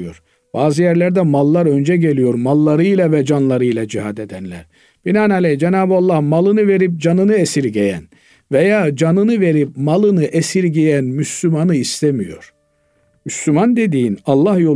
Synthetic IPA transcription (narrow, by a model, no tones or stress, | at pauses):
joɾ | b̥aːzɯjæɾlʲæɾd̪ɛmalˠːaɾønd͡ʒɛɟe̞lʲijo̞ɾmalˠːaɾɯjlˠavɛd͡ʒanlˠaɾɯjlˠad͡ʒiɦad̪e̞d̪ænlʲæ̰ɾ | b̥inanalʲɛjd͡ʒenaːbɯalˠːahmalˠɯnɯve̞ɾip̚d͡ʒanɯnɯesiɾɟejæ̰n | vejaːd͡ʒanɯnɯve̞ɾipmalˠɯnɯʔesiɾɟejænmyslʲymanɯist̪ʰemijo̞ɾ̥ | myslʲymand̪e̞d̪iːinɑlˠːahjo̞